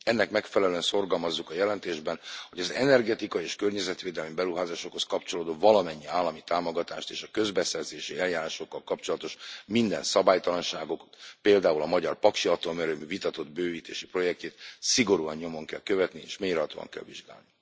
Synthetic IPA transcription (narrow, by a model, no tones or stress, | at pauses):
ɛnːɛkmɛkfɛlɛløɛnso̞rɡɒlmɒzːukɒjɛlɛnt̪eːʒbɛnho̞ɟɒzɛnɛrɡɛt̪ikɒieːʃkørɲɛzɛt̪ʋeːd̪ɛlmibɛɾuɦaːzaːʃo̞kho̞skɒpt͡ʃoloːd̪oːvɒlɒmɛɲːiaːlːɒmit̪aːmo̞ɡɒt̪a̰ːʃt̪eːʃɒkø̞zbɛsɛrzeːʃiɛljaːɾaːʃo̞kːɒlkɒpt͡ʃo̞lɒt̪o̞ʃmind̪ɛ̰nsɒbaːjt̪ɒlɒnʃaːɡo̞k̪peːld̪aːulɒmɒɟɒrpɒkʃiɒt̪omɛɾøːmivit̪ɒt̪o̞d̪̚bøːviːt̪eːʃipro̞jɛk̚ceːt̪siɡo̞ɾuɒɲɲo̞mo̞ŋkɛ̰lkøvɛt̪niḛːʃmeːɾɦɒt̪o̰ːɒ̰ŋkɛ̰lvḭʒɡa̰ːlni